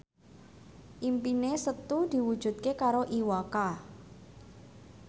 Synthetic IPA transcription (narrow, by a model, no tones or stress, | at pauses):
ʔimpinesət̪ud̪̥i̤wud̥ʒ̥ṳt̪̚kekaɾoʔiwaka